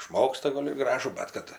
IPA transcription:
ɪʃˈmoːkstɐ ˈɡoːlʲ ɪr ˈɡrɑːʒuː ˈbʲɛt kɐt

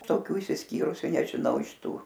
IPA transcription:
toːˈkʲuː ɪʃʲsʲɪsʲˈkʲiːrʊsʲʊ nʲɛʒʲɪˈnɐʊ ɪʃ ˈtuː

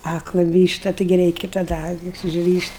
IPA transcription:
ˈɑːklˠɐ ˈʋʲiːʃtɐ ˈtɐɪɡʲɪ ˈrʲɛɪkʲɪ tɐˈdɐ ˈɑːkʲɪs ʊʒʲˈrʲiːʃʲtʲ

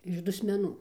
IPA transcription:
ɪʃ dʊsʲmʲɛˈnuː

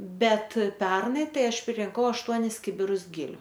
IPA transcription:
ˈbʲɛt ˈpʲɛrnɐɪ ˈtɐɪ ˈɐʃ pʲrʲɪrʲɪŋˈkɐʊ ɐʃˈtuɔnʲɪs ˈkʲɪbʲɪrʊs ˈɡʲɪlʲʊ

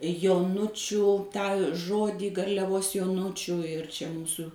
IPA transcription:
joːˈnʊt͡ʃʲʊ tɑː ˈʒoːdʲiː ɡɐrʲlʲɛˈʋoːs joːˈnʊt͡ʃʲʊ ɪr ˈt͡ʃʲɛ ˈmuːsʊ

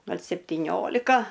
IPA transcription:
ˈɡɐlʲ sʲɛpʲtʲiːˈnʲoːlʲɪkɐ

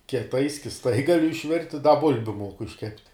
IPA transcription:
kʲiɛˈtɐɪ sʲkʲɪsˈtɐɪ ˈɡɑːlʲʊ ɪʃʲˈʋʲɪrʲtʲɪ dɐ ˈbʊlʲbʲʊ ˈmuɔkʊ ɪʃʲˈkʲæːpʲtʲɪ

